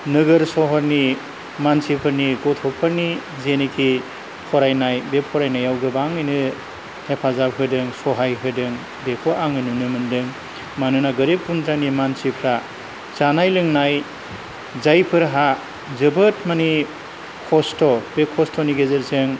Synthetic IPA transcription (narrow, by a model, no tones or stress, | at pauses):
nɯɡɯɾsɔɦɔɾni | mansipʰɯɾniɡɔtʰɔpʰɯɾni | zenekʰi | pʰɔɾajnajbepʰɔɾajnajawɡɯbaŋɯjnɯ | hepʰazap̚ɦɯdɯŋsɔɦajɦɯdɯŋ | bekʰɔʔaŋɯjnɯnɯmɯndɯŋ | manɯnaɡɯɾipːunzanimansipʰɾa | zanajlɯŋnaj | zajpʰɯɾɦa | zɯbɯt̚mani | kʰɔstɔbekʰɔstʰɔniɡezɯɾsɯŋ